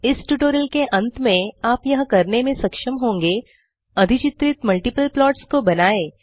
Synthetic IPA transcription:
ɪsʈuːʈoːɾəlkeʔɐ̃nt̪mẽaːpjɐɦkɐɾnemẽsɐkʃəmɦõːŋɡe | ɐd̪ʱɪt͡ʃɪt̪ɾɪt̪mɐlʈɪpəlplɔːʈskobɐnaːeː

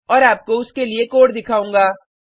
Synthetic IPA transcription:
ɔːɾaːp̚koʊskeliekoːʈd̪ɪkʰaːũːŋɡaː

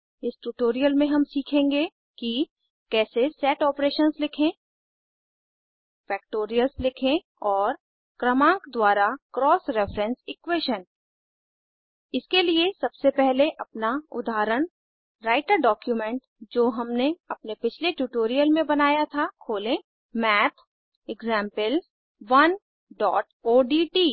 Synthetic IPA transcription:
ɪsʈuːʈoːɾijəlmẽɦɐmsiːkʰẽːŋɡe | ki | kɛːsesɛːʈɔːpɾeːʃənslɪkʰẽː | fɛːkʈoːɾijəlslɪkʰẽ | ɔːɾ | kɾɐmãːŋkd̪waːɾakɾɔːsɾɛːfɾɛ̃nsɪkweːʃən | ɪskeliesɐbsepɛɦleʔɐpnaʊd̪ʱaːɾəɽ̃ | ɾaːɪʈəɾɖɔːkjumɛ̃ɳʈ | d͡ʒoːɦɐmneɐpnepɪt͡ʃʰleʈjuʈoːɾijəlmẽbɐnaːjat̪ʰakʰoːlẽ | mɛːt̪ʰ | ɪɡzɛ̃ːmpəl | ʋɐn | ɖɔːʈoːɖiʈiː

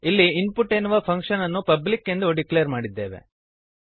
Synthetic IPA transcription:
ilːiinpuʈenuʋɐpʰɐŋkʂɐnɐnːupɐblikːend̪uoɖiklejɐɾmaːɽid̪ːeːʋe̞̰

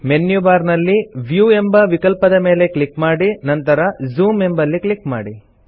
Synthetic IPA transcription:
menjubaːɾnɐlːiʋjuːe̞mbɐʋikɐlpɐd̪ɐme̞ːle̞kɭikmaːɽinɐnt̪ɐɾɐzuːme̞mbɐlːikɭikma̰ːɽi

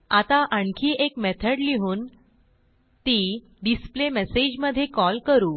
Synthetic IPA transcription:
at̪aʔəɳkʰiːʔekmet̪ʰəɽliɦuːn | t̪iː | ɖisplemɛsed͡ʑməd̪ʱːjekɔlkəɾuː

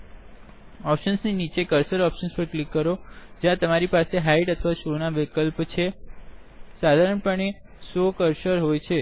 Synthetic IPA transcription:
ɔpʃənsninit͡ʃekəɾsəɾɔpʃənspəɾklikːəɾod͡ʒjãt̪əmaɾipaseɦaiʈət̪ʰəʋaʃonaʋekəlpt͡ʃʰe | sad̪ʱaɾəɳpəɳe | sokəɾsəɾɦojt͡ʃʰe

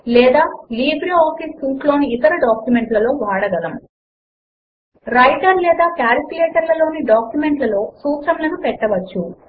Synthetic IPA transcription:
lɛːd̪aːliːbɾiaːfisːuːʈlo̞ːniːt̪ɐɾɐɖaːkjumeɳʈlɐlo̞ːʋaːɽɐɡɐlɐm | ɾɐjʈɐɾlɛːd̪aːkaːɾɐkʲuleːʈɐɾlɐlo̞ːniɖaːkjumeɳʈlɐlo̞ːsuːt͡ʃɐmlɐnupɛʈːɐʋɐt͡ʃːu

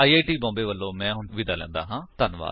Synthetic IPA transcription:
aːiːaːʈiːbɔ̃ːmbeːʋəlːõːmɛ̃ːɦʊʋɪd̪aːlɛ̰̃ːnd̪aːɦãːt̪ənʋa̰ːl

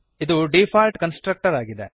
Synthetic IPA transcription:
id̪uɖeːpʰaːlʈkɐnsʈɾɐk̚ʈɐɾaːɡid̪e

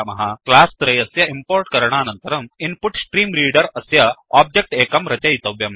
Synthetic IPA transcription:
mɐɦɐklaːst̪ɾɐjɐsjɐimpoːɾʈkɐɾɳ̃aːnɐnt̪ɐɾɐminpuʈsʈɾiːmɾiːɽɐɾɐsjɐaːb̚d͡ʒek̚ʈeːkɐmɾɐt͡ʃɐjit̪ɐʋjɐm

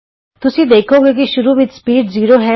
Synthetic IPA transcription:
t̪ʊsĩd̪eːkʰoːɡek̬iʃʊɾuʋɪt͡ʃspiːʈziːɾoːɦɛ

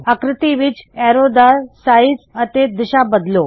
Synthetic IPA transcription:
əkɾɪt̪iʋid͡ʑɛɾod̪aɾsaid͡zət̪ed̪iɕabəd̪lo

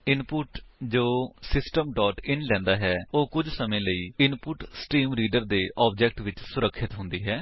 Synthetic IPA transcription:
ɪnpʊʈd͡ʒoːsɪsʈəmɖɔːʈɪnlɛ̃ːnd̪aːɦɛːoːkʊd͡ʒsəmẽːləiːɪnpʊʈsʈiːmɾiːɖəɾd̪eːʔɔːb̚d͡ʒɛːk̚ʈʋɪt͡ʃsʊɾəkʰːɪt̪ɦʊ̃nd̪iːɦɛː

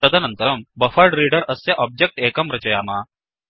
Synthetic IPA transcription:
əd̪anɐnt̪əɾəmbəfəɖɾiɽəɾəsːeʔɔb̚d͡ʑek̚ʈekəmɾɐt͡ɕɐjama

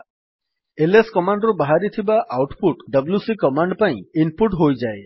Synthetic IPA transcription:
eleskɔmaɳɖɾubaɦaɾit̪ʰibaʔawʈpuʈɖʌbljusikɔmaɳɖpaĩinpuʈɦojd͡ʒae

